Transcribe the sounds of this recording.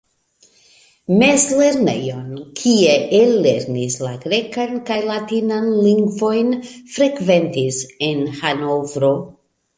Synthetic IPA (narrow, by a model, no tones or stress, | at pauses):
me̞zle̞ɾne̞̰jo̞nkʰieʔelːe̞ɾnislaɡɾe̞kankajlatinanliŋɡvo̞jnfɾe̞kve̞ntise̞nhanovɾo̞